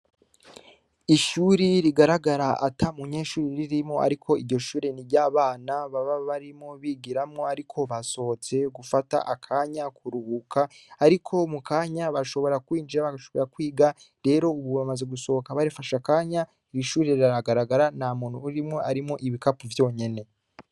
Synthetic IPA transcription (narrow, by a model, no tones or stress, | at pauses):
iʃuːɾiɾiɡaɾaɡaɾaʔatʰamuɲe̞ːʃuːɾiɾiɾimŋoʔa̰ɾikʰo̞iɾɟo̞ʃuːɾeniɾɟaːβaːnaβaβaβaɾimŋoβiɡiɾamŋo̞aɾikʰo̞βaso̞t͡se̞ɡufata̰ʔakʰaːɲakʰuɾuhukʰaːɾikʰo̞mukaːɲaβaʃo̞βo̞ɾakwiːnd͡ʒiɾaβaɡaʃo̞βo̞ɾakwiːɡa | ɾe̞ːɾo̞uβuβamaze̞ɡuso̞okaβaɾifaʃakaːɲa | ɾiʃuːɾiɾiɾaɾaɡaɾaɡaɾanamuːn̥uːɾimŋoʔaɾimŋo̞ʔiβikapuvjo̞ːɲe̞ne̞